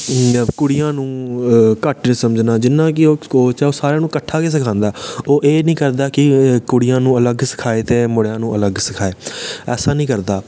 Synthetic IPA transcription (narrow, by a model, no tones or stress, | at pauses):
kʊɽijãːnũːkəʈnsəməd͡ʒnaːd͡ʒɪnːãːk̬ɪoːoːt͡ʃaːoːsaːɾjãːnũːkəʈʰːaːkeːs̬ɪkʰãːnd̪aːoːʔeːnĩːkəɾd̪aːkɪkʊɽijãːnũːələɡsɪ̥kʰaːeːt̪eːmʊɽjãːnũːʔələɡsɪkʰaːeːɛːsaːnĩːkəɾd̪aː